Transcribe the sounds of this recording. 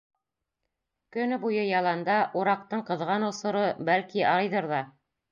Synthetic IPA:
kɵ̆nɘbujɤjɑlˠɑnd̪ɑʔuɾɑq̚t̪ɤɴqɤ̆ðʁɑnŏsŏɾɤbælkiɑɑjðɤɾðɑ

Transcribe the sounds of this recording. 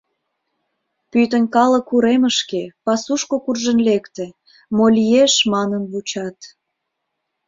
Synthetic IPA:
pyt̪ənʲkɑlə̆kuɾeməʃkepɑsuʃkokurʒənlekt̪e | molʲijeʃmɑnənβut͡ɕɑt̪

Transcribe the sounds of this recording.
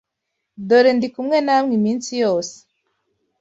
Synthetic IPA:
doɾendikumŋenamŋimiːnsijoːse̥

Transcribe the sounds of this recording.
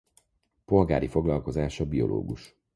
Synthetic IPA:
po̞lɡa̰ːɾifo̞ɡlɒlko̞zaːʃɒbio̞̰lʔo̰ːɡuʃ

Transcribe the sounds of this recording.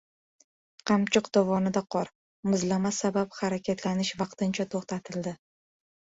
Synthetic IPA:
qʰɑmt͡ʃʰɨqd̪̥ɒvɒnɪd̪aqʰɒɾ | mʊzlamasabaphaɾakʲat̪ʰlanɪʃvɑq̚t̪ɪnt͡ʃʰat̪ʰoχt̪at̪ʰɪld̪ɪ

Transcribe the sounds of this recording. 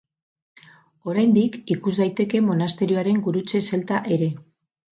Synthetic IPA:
o̞ɾajnd̪ikikuzd̪ajt̪e̞ke̞mo̞nast̪e̞ɾio̞aɾe̞ŋɡuɾut͡se̞se̞lt̪aʔe̞ɾe̞

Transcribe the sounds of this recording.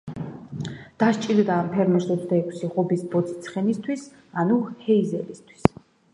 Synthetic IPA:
d̪̥aʃt͡ʃʼild̪aːmpʰɛɾmɛɾsɔt̪sʰd̪aɛkʷʰsiʁɔbisbɔt̪sʰi̥t̪sʰχɛnist̪ʰwis | anuhɛizɛlist̪ʰwi̥s

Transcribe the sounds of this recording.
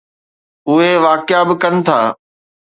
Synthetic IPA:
ʊɦeʋaːkjabɪkɐnɪ̆t̪ʰa̰ː

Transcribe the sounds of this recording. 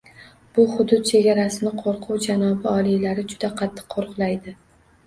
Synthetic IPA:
b̥ʊhʊd̪ʊt̪̚t͡ʃʰe̞ɡʲaɾasɪnɪqʰoɾqʰʊwd͡ʒanɒbɪɒlˠijlaɾɪd͡ʒʊd̪aqʰɑt̪ʰːɨ̥qʰːoɾqlˠajd̪ɪ

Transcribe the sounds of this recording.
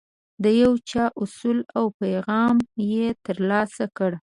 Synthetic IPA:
d̪əjawt͡ʃɑʔʊsulawpajɣɑmjet̪əɾlɑsakəɽ

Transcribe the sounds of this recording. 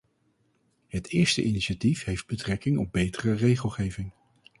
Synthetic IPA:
hətʰɪːɹstə̰ʔiniʃatifɦejfd̚bətrɛkɪŋɔb̚bejtərərejχəlˠχejvɪŋ

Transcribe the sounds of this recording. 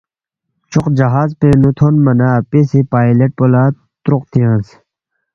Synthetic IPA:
t͡ʃʊqd͡ʑɐɦaːzpẽnut̪ʰonmɐnaːpesepaːjleʈ̚polaː | t̪ɾʊqt̪ʰiãːns

